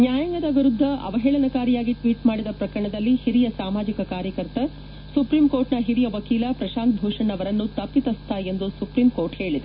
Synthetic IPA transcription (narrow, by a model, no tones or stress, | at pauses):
njaːjɐŋɡɐd̪ɐʋiɾud̪ʱːɐʔɐ̰ʋɐɦɛːɭɐnɐkaːɾijaːɡiʈʋiːʈmaːɽid̪ɐpɾɐkɐɾɐɳɐd̪ɐlːihiɾijɐsaːmaːd͡ʒikɐkaːɾjɐkɐɾt̪ɐ | supɾiːmkoːɾʈnɐɦiɾijɐʋɐkiːlɐpɾɐʃaːnt̪̚bʱuːʂɐɳɐʋɐɾɐnːut̪ɐpːit̪ɐst̪ʰae̞nd̪usupɾimkoːɾʈhe̞ːɭid̪e